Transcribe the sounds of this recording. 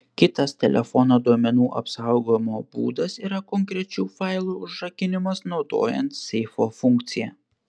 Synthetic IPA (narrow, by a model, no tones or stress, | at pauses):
kʲɪt̪ɐst̪ʲɛlʲɛ̰fɔnoːd̪uɔmʲɛnuːʔɐ̰psɐʊɡoːjmoːbṵːd̪ɐsiːɾɐkɔŋʲkɾʲɛt͡ʃʲuːfɐɪlˠuːʊʒʒɐkʲɪnʲɪmɐsnɒʊd̪o̰ːjɛnt̪sʲɛɪfoːfʊŋʲk̚t̪sʲɪjɛ